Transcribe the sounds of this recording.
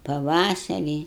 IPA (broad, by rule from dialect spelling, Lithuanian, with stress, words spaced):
pɐˈʋɑːsɐrʲiː